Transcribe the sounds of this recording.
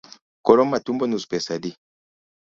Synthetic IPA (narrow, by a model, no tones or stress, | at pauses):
kɔlɔmːatumbɔnuspɛsadi